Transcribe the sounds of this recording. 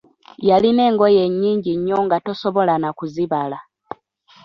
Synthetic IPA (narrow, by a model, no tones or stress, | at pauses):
jaline̞ːŋɡo̞jeɲːiːɲɟiɲːoŋɡato̞soβo̞lanakuziβala